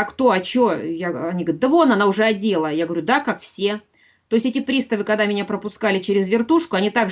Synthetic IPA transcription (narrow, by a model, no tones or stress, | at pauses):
kt̪o̞ɐt͡ɕojaɐnʲiɡəɾʲt̪̚d̪əvonɐnaʊʐɛɐdʲe̞lˠəjaɡəvəɾʲud̪akakfsʲe̞ | t̪o̞ɪsʲetʲɪpɾʲist̪əvɨkɐɡd̪amʲɪnʲapɾəpʊskalʲɪt͡ɕeɾʲɪzvʲɪrt̪uʂkʊɐnʲit̪aɡ